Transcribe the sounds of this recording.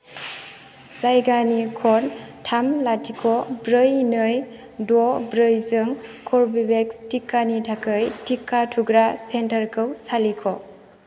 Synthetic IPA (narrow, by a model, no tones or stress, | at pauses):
zajɡanikʰɔntʰamlatʰikʰɔbɾɯjnɯj | dɔbɾɯjzɯŋkʰɔɾbibekstikːanitʰakɯjtʰikːatʰuɡɾasentəɾkʰɯwsalikʰɔ